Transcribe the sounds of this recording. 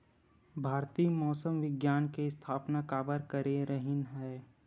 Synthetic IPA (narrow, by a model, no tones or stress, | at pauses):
bʱaːɾt̪iːmɔːsəmʋɪɡjaːnkeɪst̪ʰaːpnakaːbəɾkəɾeɾəɦɪnɦɛː